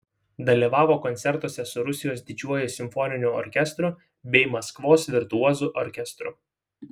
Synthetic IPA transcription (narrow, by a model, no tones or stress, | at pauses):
d̪ɐlʲiʋɑːʋoːkɔnt̪sʲɛɾt̪uɔsʲɛsʊɾʊsʲɪjoːsd̪ʲɪd͡ʒʲuɔjʊsʲɪmfɔnʲɪnʲʊɔ̰ɾʲkʲɛst̪ɾʊ | bʲɛɪmɐskʋoːsʋʲɪɾt̪uɔzuʔɔɾʲkʲɛst̪ɾʊ̰